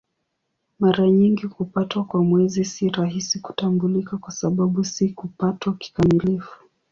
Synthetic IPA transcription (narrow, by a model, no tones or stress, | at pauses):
maɾaɲiŋɡikupatwakwamwɛzisiɾaɦisiku̥tambulikakwasaɓaɓusikupatwaki̥kamilifu̥